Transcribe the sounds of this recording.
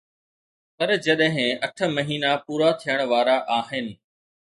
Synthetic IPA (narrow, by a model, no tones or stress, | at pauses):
pɐɾd͡ʑɐɗɦɪ̃ɐʈʰə̆mɐɦiːnapuːɾat̪ʰijəɽ̃ʋaːɾaʔaːɦɪnɪ̆